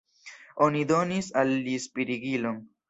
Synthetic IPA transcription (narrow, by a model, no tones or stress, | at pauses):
onid̪onisalːispiɾiɡiloŋ